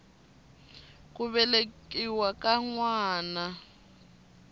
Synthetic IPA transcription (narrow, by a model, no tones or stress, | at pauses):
k̬ʼuβɛlekʼiwakʼaŋwaːna